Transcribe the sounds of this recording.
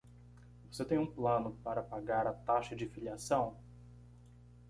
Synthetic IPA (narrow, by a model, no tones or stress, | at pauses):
voset̪ẽj̃ũplɐ̃nʊpaɾɐpaɡaɾɐt̪aʃɐd͡ʒɪfiliasɐ̃w̃